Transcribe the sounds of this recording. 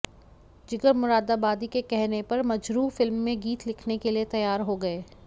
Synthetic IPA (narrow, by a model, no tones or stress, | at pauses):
d͡ʒɪɡəɾmʊɾaːd̪aːbaːd̪ikekɛɦnepɐɾmɐd͡ʒɾuːfɪlmːẽɡiːt̪lɪkʰnekeliet̪ɐjaːɾɦoɡɐeː